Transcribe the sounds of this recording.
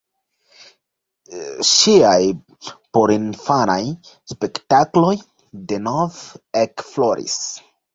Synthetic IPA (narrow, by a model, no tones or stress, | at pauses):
ʃiaj | poɾinfanajspe̞ktaklo̞j | denovekfloɾḭs